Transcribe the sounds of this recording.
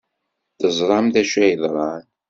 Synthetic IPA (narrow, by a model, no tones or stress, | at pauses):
θəzˤɾˤɑmθæʃæjəðˤɾˤɑn